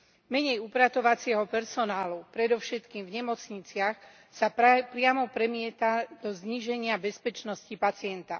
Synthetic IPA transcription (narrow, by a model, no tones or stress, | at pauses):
mɛɲɛjupɾat̪ɔʋat͡sɪɛɦɔpɛɾsɔnaːlupɾɛd̪ɔfʃɛt̪kiːmvɲɛmɔt͡sɲit͡sɪax | sapɾɪamɔpɾɛmɪɛt̪ad̪ɔzɲiʒɛɲɪabɛspɛt͡ʃnɔscipat͡sɪɛnt̪a̰